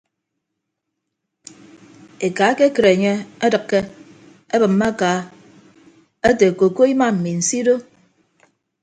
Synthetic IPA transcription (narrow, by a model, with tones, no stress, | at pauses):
e˨kaː˨˦ke˦kɨ˨ɾe˨ɲe˦a˦dɨ˨kːe˦ | e˦bɨ˨mːa˦kaː˨˦ | e˦te˨ko˨ko˦i˦ma˦m̩˨mi˨n̩˨si˦do˦